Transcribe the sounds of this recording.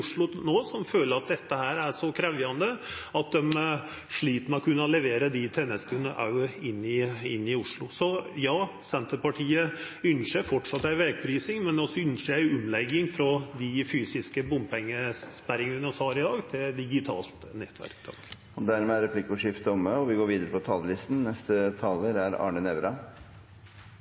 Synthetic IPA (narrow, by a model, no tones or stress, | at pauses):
ʊʂɭʊnoːsɔmføːləɾɑt̪̚d̪ɛt̪ːəhæːɾæʂɔkʰɾɛʋjɑnd̪əɑt̪̚d̪ɛm | ʂɭiːt̪nmɔkʰʉnːəɔlɛʋeːɾəd̪ɪt̪ʰɛnɛst̪ʉnəʔɑ̰ʉɪnːɪɪnːɪʊʂɭʊsɔjɑː | sɛnt̪əɾpɑʈʰiːə | ʏnʂəfɔʈʂɑt̪ːæɪʋeːɡ̚pʰɾiːsɪŋmɛnd̪ɛɔsːɔʏnʂəæɪʊmlɛɡːɪŋfɾɔd̪ɪfyːsɪskəbʊmpɛŋːəspæɾɪŋənʋɪnɔst̪hɑːɾɪd̪ɑːɡt̪ʰɪld̪ɪɡɪt̪ʰɑ̰ːlt̪nɛt̪ʰːʋæ̰ɾkt̪ʰɑ̰ŋk | ɔd̪æɾmɛæɾɛpʰlɪkːʊʂɪft̪əɔməɔʋɪɡoːɾʋiːd̪əɾəpʰɔt̪ʰɑːləlɪst̪n̩nɛst̪ət̪ʰɑːləɾæɾɑ̰ːɳənɛʋɾɑ